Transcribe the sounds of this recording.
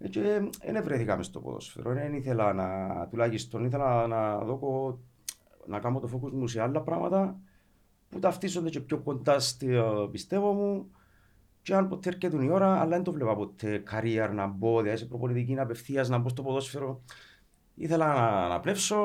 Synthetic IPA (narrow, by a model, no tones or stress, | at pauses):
et͡ʃeḛnevɾeθikɐmest̪o̞̰po̰ðo̰sfḛɾoneniθelɐnat̪ulaʝist̪oniθe̞lanaðoko | nɐkamot̪ofokuzmusealːɐpɾɐmɐ̰t̪ɐ | put̪ɐft̪is̬o̞nd̪ecepçokːo̞nd̪ast̪pist̪evo̞mu | t͡ʃeɐnpot̪ʰːeːɾcet̪unio̞ɾɐ̰ːlːɐend̪ovlepɐpot̪ʰːekʰaɾiɐɾnɐembo̞ðiɐisepɾoponit̪ic̬inɐpefθiɐznɐmbos̬t̪opoðo̞sfeɾo̞ | ḭθelɐnana̰plefso̞